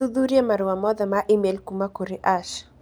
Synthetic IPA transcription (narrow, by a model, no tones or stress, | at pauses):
uðuɾiamaɾuwamɔðamaʔimɛlkumakuɾiʔaʃ